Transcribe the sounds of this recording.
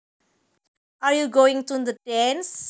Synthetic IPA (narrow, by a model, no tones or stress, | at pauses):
aɹjuɡoɪ̃ŋt̪ud̪ədɛ̃ns